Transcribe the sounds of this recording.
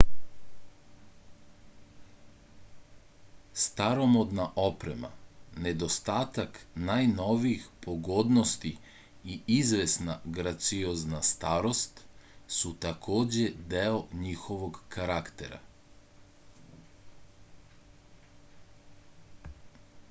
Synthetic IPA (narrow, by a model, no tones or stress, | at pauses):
st̪aɾo̞mo̞d̪naʔo̞pɾema̰ne̞d̪o̞st̪aːt̪aknajno̞ʋiixpʰo̞ɡo̞d̪nost̪i | iizʋesnaɡɾat̪sioznast̪aːɾo̞st̪sut̪akʰo̞ːd͡ʑe̞d̪eoɲixo̞ʋo̞ɡkaɾakt̪ḛɾa̰